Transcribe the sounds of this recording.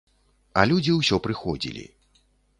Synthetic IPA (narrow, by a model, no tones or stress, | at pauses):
ɐlʲud͡zʲiwsʲɔpɾɨxɔd͡zʲḭlʲḭ